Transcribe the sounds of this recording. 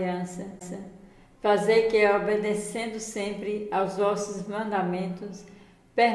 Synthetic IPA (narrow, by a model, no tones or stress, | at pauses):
ɐ̃sɐsɐ | fazeɾkɪobed̪esẽnd̪ʊsẽmpɾɪawzvɔsʊzmɐ̃nd̪amẽnt̪ʊs | pe